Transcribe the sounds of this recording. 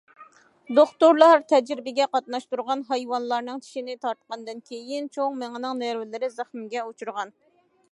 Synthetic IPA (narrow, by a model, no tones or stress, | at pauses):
d̪oχt̪oɾlˠɑɾt̪ʰɛd͡ʒɾɪbɪɡʲɛqɑt̪̚nɑʃt̪uɾʁɑnɦɑjwɑnlˠɑɾnɨŋt͡ʃʰi̥ʃinɪt̪ʰɑɾt̪̚qɑnd̪ɨnkʲʰejɪnt͡ʃʰoŋmeŋɨnɨŋnæɾwɪlɪɾɪzæχmɪɡʲɛot͡ʃʰuɾʁɑn